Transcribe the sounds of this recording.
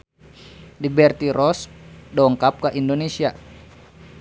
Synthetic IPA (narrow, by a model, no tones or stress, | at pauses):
libɛrt̪iɾɔsdɔŋkap̚kaʔindonesia